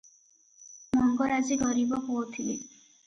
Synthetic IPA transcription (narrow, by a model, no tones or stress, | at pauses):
mɔŋɡɔɾaziɡɔɾibɔɦoɔt̪ʰili